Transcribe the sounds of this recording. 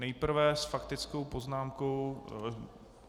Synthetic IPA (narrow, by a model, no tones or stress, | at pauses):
nɛjpɾ̩vɛsfakt̪ɪt͡sko̞wpoznaːmko̞w